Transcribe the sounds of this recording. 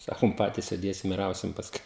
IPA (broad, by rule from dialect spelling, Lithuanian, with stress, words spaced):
ˈsɑːkʊm ˈpɑːtʲiːs sʲeːˈdʲeːsʲɪm ɪr ˈɐʊsʲɪm pɐsˈkʊɪ